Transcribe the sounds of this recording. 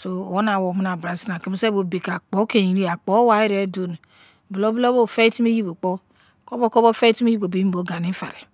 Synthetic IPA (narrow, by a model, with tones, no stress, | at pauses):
so˨wo˦na˨wo˨mi˦na˨bɾa˨si˦na˨ki˨mi˦se˦bo˨be˨ka˨k͡po˨˦ke˨i˨ɾi˦a˨k͡po˨˦wa˨i˦ɾe˦do˦n˨ | bi˨lo˦blo˦bo˦˨fe˦ti˦mi˦ji˦bo˨k͡po˦ | ko˦bo˦ko˦bo˦fe˦i˦ti˦mi˦ji˦bo˨be˨˦i˦bo˨˦ɡa˨ni˦fa˨ɾe˨